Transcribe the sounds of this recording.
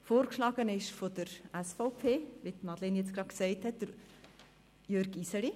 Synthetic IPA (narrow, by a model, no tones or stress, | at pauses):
foːɾkʃlɑːɡ̥ənɪʃfod̥əɾɛsfɔʊpʰeːʋitmɑdlenjɛt͡sɡ̥ɾɑːksɛɪthɛt̚d̥əɾ | jøɾɡisəli